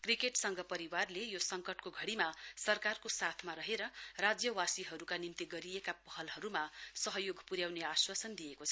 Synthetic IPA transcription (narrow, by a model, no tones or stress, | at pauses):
krikeʈsʌŋɡʌpʌɾiwarlejosʌŋkʌʈkoɡʱʌɽimasʌrkarkosat̪ʰmaɾʌɦeɾʌrad͡zjʌwasiɦʌɾukanimt̪iɡʌɾijekapʌɦʌlɦʌɾumasʌɦʌjoɡʱpuɾjawneaswasʌnd̪ijekot͡sʰʌ